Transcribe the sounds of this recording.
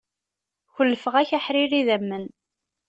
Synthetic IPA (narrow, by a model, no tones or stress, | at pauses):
çəlːəfəʁæçaħɾiriðæmːən